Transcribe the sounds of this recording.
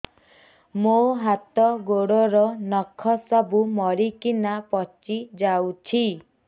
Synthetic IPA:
moɦat̪ɔɡoɽɔɾɔnɔkʰɔsɔbumɔɾikinapɔt͡ʃid͡ʒawt͡ʃʰi

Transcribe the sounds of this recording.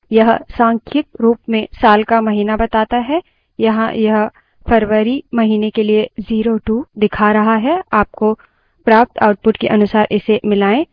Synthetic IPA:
jɐɦsãːŋkʰjək̪̚ɾuːpmẽsaːlkamɐɦiːnabɐt̪aːt̪aɦɛ | jɐɦã̰jɐɦ | pʰɐɾʋəɾimɐɦiːnekelieziːɾoʈuːd̪ɪkʰaɾɐɦaɦɛaːp̚ko | pɾaːp̚t̪ʰa̰ːʊʈ̚pʊʈkiʔɐnʊsaːɾʔɪsemɪlaːẽː

